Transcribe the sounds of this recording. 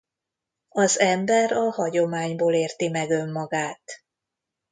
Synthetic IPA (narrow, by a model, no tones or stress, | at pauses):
ɒzɛmbɛɾɒhɒɟo̞maːɲboːleːrt̪imɛɡø̞mːɒɡaːt̪